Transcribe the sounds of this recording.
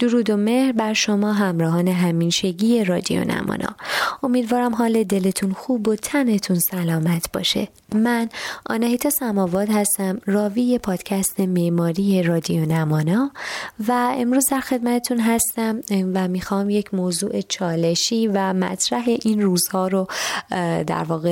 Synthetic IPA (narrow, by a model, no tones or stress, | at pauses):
d̪̥oɾuːd̪o̞me̞hɾbæɾʃo̞mɒːɦæmɾɒːɦɒːne̞ɦæmiːnʃe̞ɟiːje̞ɾɒːd̪ijo̰nʔæ̰mɒ̰ːnʔɒ̰ːo̞miːd̪vɒːɾæmɦɒːle̞d̪e̞le̞t̪ʰunxuːbo̞t̪ʰæne̞t̪ʰunsælɒːmæt̪ʰb̥ɒ̰ːʃe̞̰ | mænʔɒ̰ːnæhiːt̪ʰɒːsæmɒːvɒːd̪hæst̪æmrɒːvije̞pʰɒːd̪̥cʰæst̪ʰe̞meʔmɒːɾiːje̞ɾɒːd̪io̞næmɒːnɒːvæe̞mɾuːzd̪æɾxe̞d̪mæt̪ʰe̞t̪ʰunɦæst̪æmvæmiːxɒːmjecʰmoːzṵːʔe̞t͡ʃʰɒːle̞ʃiːvæmæ̰t̪ʰɾæɦe̞ʔinruːz̥hɒːɾo | d̪æ̰ɾvɒːɣe